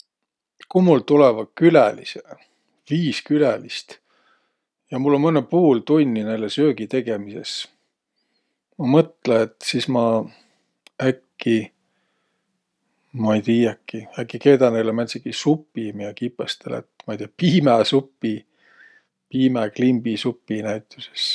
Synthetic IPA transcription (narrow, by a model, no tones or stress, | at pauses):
kumult̪ulɛvɑkylælḭse | viːskylælist̪ | jɑmulːo̞nmɤnːepuːlt̪unʲːinejlesø̞ːɡ̥it̪e̞ɡ̥e̞mise̞̰s | mɑmɤt̪ˑleːt̪sismɑ | ækːi | mɑejt̪iːjɑkːiækːˑike̞ːd̪ɑnejlemæt̪sikisupːˑimiɑkipːˑɑst̪ḛlḛt̪mɑjt̪iːɑpiːmæsupːi | piːmeklimbisupːinæjt̪ːˑu̥se̥s